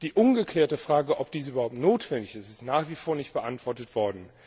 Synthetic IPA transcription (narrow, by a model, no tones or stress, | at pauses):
d̥iːʔʊnɡəkʰlɛːɐtəfʁ̥aːɡəʔɔp̚d̥iːs̬ʔyːbɐhaʊp̚tnoːtv̥ɛndɪçɪstɪstnaːχv̥ifoːɐnɪçt̚b̥əʔantv̥ɔɐtətv̥ɔɐdn̩